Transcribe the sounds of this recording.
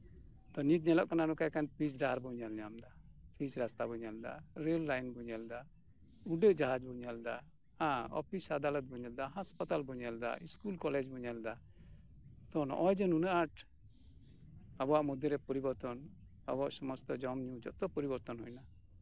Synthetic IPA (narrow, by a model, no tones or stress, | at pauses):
t̪ɔnit̪̚ɲɛlɔʔkananɔkajkanpisɖaaɾbɔɲalɲamd̪apʰisɾast̪abɔɲald̪a̰ɾelːajnbɔɲald̪a | uɖɛʔd͡ʒaɦad͡ʒbɔɲald̪a | hãɔ̰pʰisad̪alɔt̪̚bɔɲald̪aɦaspat̪albɔɲald̪a̰iskulkɔlɛd͡ʒbɔɲald̪a | t̪ɔnʔɔjd͡ʒɔnunaʔaʈ | abɔwaʔmɔd̪jɔɾɛpɔɾibɔɾt̪ɔn | a̰bɔaʔsɔmɔst̪ɔd͡ʒɔmɲud͡ʒɔ̰ʔt̪ɔpɔɾibɔɾt̪ɔnɦɔjna